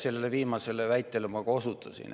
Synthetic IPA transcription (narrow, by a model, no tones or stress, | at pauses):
selːeleviːmɑse̞levæjt̪ːˑelemɑkosut̪ʰˑːɑsḭn